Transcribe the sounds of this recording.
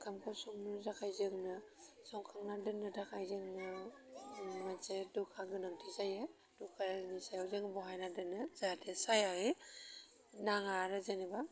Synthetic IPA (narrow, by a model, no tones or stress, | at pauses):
kʰamkʰɔsɔŋnɯzakʰajzɯŋnɯ | sɔŋkʰaŋnadɯnɯdakʰajzɯŋnɯ | masedukʰaɡɯnaŋdizaje | d̥ukʰaɾnisajawzɯŋbɔɦajnadɯnɯzadesajahi | naŋaɾɯzaniba